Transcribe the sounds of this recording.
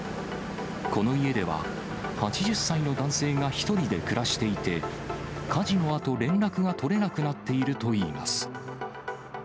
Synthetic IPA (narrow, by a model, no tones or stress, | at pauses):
ko̞no̞ie̞d̪e̞βa̰ | hat͡ɕiʑɨsːaino̞d̪ãɰ̃se̞ːŋaçi̥t̪o̞ɾʲid̪e̞kɯ̟ɾaɕi̥t̪e̞it̪e̞kʰaʑino̞at̪o̞ɾẽ̞nɾakɯ̟ɡat̪o̞ɾe̞nakɯ̟nat̪ːe̞iɾɯ̟t̪o̞iːma̰sɨ̥